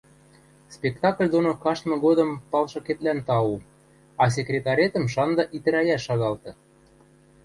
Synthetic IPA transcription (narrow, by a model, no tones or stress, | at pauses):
spʲekt̪ɑklʲd̪onokɑʃt̪mɤ̆ɣod̪ɤ̆mpɑlʃɤ̆ket̪lænt̪ɑu | ɑs̬ekrʲet̪ɑɾʲet̪ə̆mʃɑnd̪ɤ̆ʔit̪ɘ̆ɾæjæʃːɑɣɑlt̪ɤ̆